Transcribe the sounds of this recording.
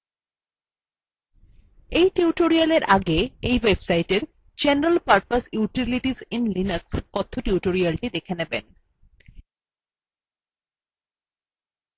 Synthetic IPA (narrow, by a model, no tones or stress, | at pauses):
ejʈiuʈoɾialeɾʔaɡeejwebsajʈeɾ | d͡ʑenɾalpaɾpasjuʈiliʈizinlinəkskɔt̪ʰːoʈiuʈoɾialʈid̪ekʰenebḛn